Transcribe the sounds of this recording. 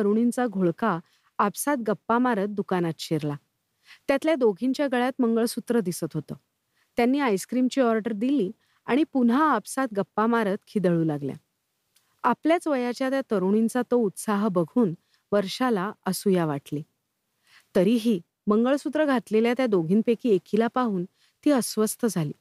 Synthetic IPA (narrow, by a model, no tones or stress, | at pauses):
əɾuɽ̃int͡saɡʱoɭkaː | psat̪̚ɡəpːamaɾət̪̚d̪ukanat̪ɕeɾla | t̪jat̪ljad̪oɡʱiɲt͡ɕjaɡəɭjat̪məŋɡəɭsut̪ɾəd̪isət̪ɦot̪əː | t̪janːiːajskɾimt͡ɕiːɔɾʈəɾd̪iliː | aɽ̃ipunɦaːbsat̪̚ɡəpːamaɾət̪kʰid̪əɭuːlaɡlja̰ | apljat͡sʋəjat͡ɕjat̪jat̪əɾuɳ̃int͡sat̪out̪saɦbəɡʱuːn | ʋəɾɕalaəsujaʋaʈli | t̪əɾiːɦiː | məŋɡəɭsut̪ɾəɡʱat̪leljat̪jad̪oɡʱiːnpekiːekʰilapaɦuːn | t̪iːəsʋəst̪əd͡zʱaliː